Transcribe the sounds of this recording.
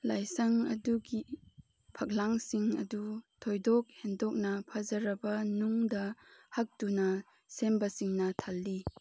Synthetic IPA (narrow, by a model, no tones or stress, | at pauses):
lajsɐŋɐ̰duɡi | pʰɐk̚laŋsiŋɐ̰dutʰojdɔk̚hendɔk̚nɐpʰɐzɐɾɐbɐnuŋdɐhɐk̚tunɐ | sembɐsiŋnɐtʰalːi